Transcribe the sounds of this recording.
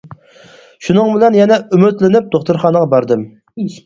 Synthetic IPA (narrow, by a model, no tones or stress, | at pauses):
ʃunɨŋbɪlɛnjɛnɛymyt̪lɪnɪp̚d̪oχt̪uɾχɑːnəʁɑbɑɾd̪ɨm